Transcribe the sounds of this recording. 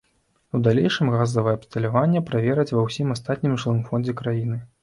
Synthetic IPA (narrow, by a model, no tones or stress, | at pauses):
ud̪alʲejʂɨmɣazɐvɐjɛːpst̪ɐlʲavanʲːɛpɾavʲɛɾɐt͡sʲvɐwsʲimast̪at̪ʲnʲimʐlˠɨmfɔnd͡zʲɛkɾajinɨ